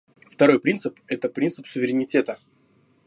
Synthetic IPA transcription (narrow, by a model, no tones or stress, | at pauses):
ft̪ɐɾo̞jpɾʲint̪sɨpɛt̪əpɾʲint̪sɨpsʊvʲɪɾʲɪnʲɪtʲe̞t̪ə